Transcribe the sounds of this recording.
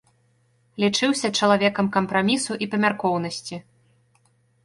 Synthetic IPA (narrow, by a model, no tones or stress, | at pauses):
lʲit͡ʂɨwsʲɐt͡ʂɐlˠavʲɛkɐmkɐmpɾamʲisuʔipɐmʲarkɔwnɐsʲt͡sʲi